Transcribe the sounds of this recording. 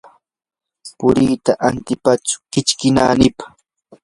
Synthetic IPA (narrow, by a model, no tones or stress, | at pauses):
pʊɾiːt̪aʔant̪ɪpat͡ʃʊ̥kɪt͡ʃkɪna̰ːnɪpḁ